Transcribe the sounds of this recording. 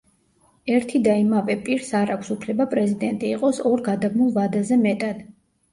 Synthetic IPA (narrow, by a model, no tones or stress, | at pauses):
ɛɾt̪ʰid̪aimavɛpʼiɾsaɾakʰʷsupʰlɛbapʼɾɛzid̪ɛnt̪ʼiːqʼɔsɔɾɡad̪abmulˠvad̪azɛmɛt̪ʼad̪̥